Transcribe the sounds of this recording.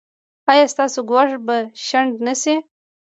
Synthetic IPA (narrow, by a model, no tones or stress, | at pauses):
ɑjɑst̪ɑsoɡwaʂbaʃaɳɖnasi